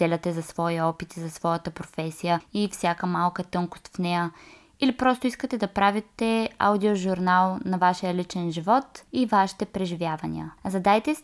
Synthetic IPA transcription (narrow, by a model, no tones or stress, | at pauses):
d̪̥ɛlʲɐt̪ɛzɐsvɔiɔpit̪izɐsvɔjət̪əpɾofɛsijəifsʲjakəmalˠkət̪ɤŋkʊ̥st̪fnɛjə | ilipɾɔst̪ʊiskət̪ɛd̪ɐpɾavit̪ɛa̰wd̪ioʒuɾnalˠnɐvaʃijəlit͡ʃɛnʒivɔt̪ivaʃi̥t̪ɛpɾɛʒivjavɐnʲḭə̰zɐd̪ajt̪ɛs